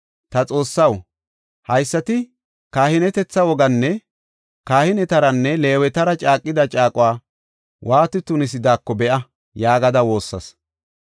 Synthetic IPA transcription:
t̪ɐt͡sʼo̞ːsːɐw | hɐjsːɐt̪ɪ | kaːhɪnɛt̪ɛt͡sːɐwɔɡɐnːɛ | kaːhɪnɛt̪ɐɾɐnːɛle̞ːwɛt̪ɐɾɐt͡ʃʼaːkʼːɪd̪ɐt͡ʃʼaːkʼʊwaː | wʔaːt̪ɪt̪ʊnɪs̬ɪd̪aːkːɔbɛʔɐ | jaːɡɐd̪ɐwo̞ːsːɐ̰s

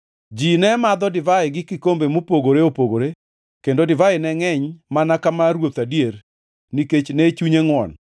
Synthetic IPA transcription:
d͡ʒinɛmad̪ɔdɪvaɪɡɪkɪkombemopoɡoɾeopoɡoɾe | kendodɪvaɪnɛŋɛɲmanakamaɾwot̪adier | niket͡ʃnɛt͡ʃuɲeŋwɔ̰n

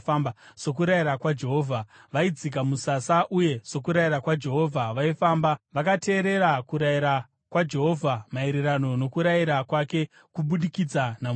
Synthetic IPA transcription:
mbsok̬uɾaiɾakwad͡ʒe̞ɦoːvʱa | ʋaid͡zik̬amusasaʔuje̞so̞kuɾaiɾakwad͡ʒe̞ɦo̞vʱaʋaifaːmbaʋakate̞ːɾe̞ɾakuɾajiɾa | kwad͡ʒe̞ɦo̞vʱamaeɾeɾano̞no̞kuɾajiɾakwake̞ | kuɓuɗikid͡zanam

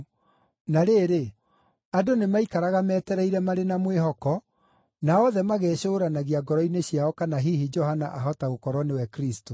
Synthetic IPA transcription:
naɾeːɾe | adonemaikaɾaɣamɛːtɛɾɛiɾɛmaɾenamweɦɔkɔ | naɔðɛmaɣɛːɕoːɾanaɣiaɡɔɾɔineɕjaɔkanaɦiɦid͡ʒɔhanaʔaɦɔtaokɔɾɔnewɛkɾisto

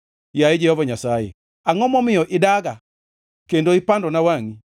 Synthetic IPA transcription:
jaed͡ʒɛhɔvaɲasajḛ | aŋɔmɔmɪjɔʔedaɣa | kendoipandɔnawaŋi

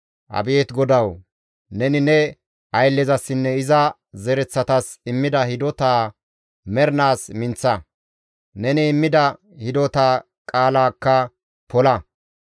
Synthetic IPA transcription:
ʔɐ̰beːt̪ɡɔd̪ɐw | nɛnɪnɛ | ʔɐjlːɛzɐsːɪnːɛɪzɐ | zɛɾɛt͡sːɐt̪ɐsɪmːɪd̪ɐhɪd̪ɔt̪aː | mɛɾnaːsmɪnt͡sːɐ | nɛnɪːmːɪd̪ɐ | hɪd̪ɔt̪aː | kʼaːlaːkːɐ | pɔlɐ

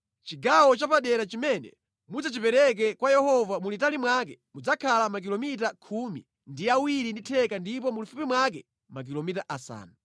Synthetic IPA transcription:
t͡ʃiɡawɔt͡ʃapaɗɛɾat͡ʃimɛnɛ̰ | mud͡zat͡ʃipɛɾɛk̬ɛkwajɛhɔvamulitalimwakɛmud͡zakʰalamak̬ilɔmitakʰumḭ | ndiawiɾinditʰɛkandipɔmulufupimwak̬ɛ | mak̬ilɔmitaʔasa̰ːnu

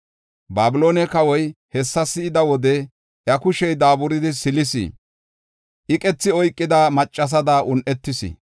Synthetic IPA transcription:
baːbɪloːnɛkɐwɔjhɛsːɐsːɪːd̪ɐwɔd̪ɛ | ʔjɐkʊʃɛjd̪aːbʊɾɪd̪ɪsɪlɪsḭ | ʔɪkʼɛt͡sːɪɔjkʼːɪd̪amɐt͡ʃʼːɐs̬ɐd̪aːʔʊnʔɛt̪ːɪsɪ̰

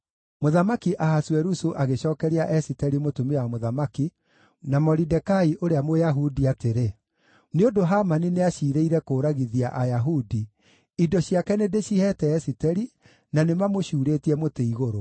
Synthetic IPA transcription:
moðamakiʔaɦaswɛɾusuʔaɣeɕɔːkɛɾiaʔɛsitɛɾimotumewamoðamaki | namɔɾidɛkaiʔoɾeamojaɦudiateɾe | neondoɦamanineaɕiːɾeiɾɛkoːɾaɣiðiaʔajaɦudi | idɔɕiakɛnedeɕihɛtɛːsitɛɾi | nanemamoɕuːɾeːtiɛmoteiɣoɾo

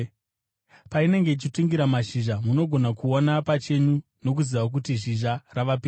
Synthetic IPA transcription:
paine̞ŋɡe̞it͡ʃituŋɡiɾamaʃiʒamuno̞ɡʱo̞nakuonapat͡ʃe̞ɲu | no̞k̬uziʋak̬utiʐiʒaraʋap̬i

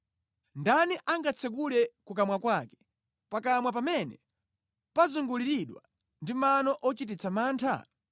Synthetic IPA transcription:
ndaniʔaŋɡat͡sʰɛk̬ulɛkukamwakwakɛ̥ | pakamwap̬amɛnɛ̰ | pazuŋɡuliɾiɗwa̰ | ndimanɔʔɔt͡ʃit̬it͡sʰamaːntʰa̰

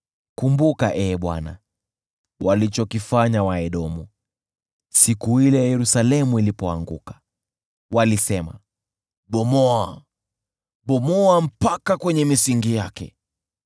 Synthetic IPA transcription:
kumbukaʔɛːɓwa̰na̰ | walit͡ʃɔkifaɲawaɛɗɔmu | sikuhilɛjajɛɾusalɛmuilipɔa̰ŋɡṵkḁ | walisɛma̰ | ɓɔmɔa | ɓɔmɔam̩pakakwɛɲɛmisiŋɡijakɛ̰

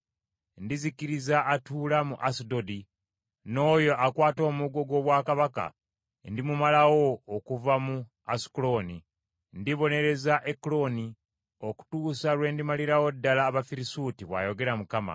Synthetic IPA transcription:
ndizikiɾizaʔːtuːlamuʔasidodi | no̞ːjo̞ʔakwaːto̞ːmuɡo̞ɡwo̞ːβwaːkaβaka̰ | ndimumalawo̞ːkuvamu | asi̥kulo̞ni | ndiβo̞ne̞ɾe̞zaʔeklo̞ni | oku̥tuːsalwe̞ːndimaliɾawo̞dːalaːβafiɾisutiβwa̰ːjo̞ɡe̞ɾamukama̰

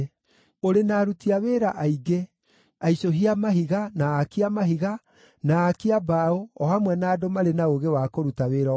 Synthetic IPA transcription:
oɾenaːɾutiaweːɾaʔaiɡe | aisoɦiamaɦiɣanaːkiamaɦiɣa | naːkiabaoɔhamwɛnaːdomaɾenaoɣewakoɾutaweːɾɔ

